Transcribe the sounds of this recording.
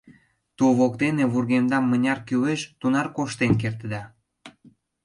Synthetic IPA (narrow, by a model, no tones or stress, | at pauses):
t̪uβokt̪eneβurɣemd̪ɑmːənʲɑrkyweʃt̪unɑrkoʃt̪enk̬ert̪əd̪ɑ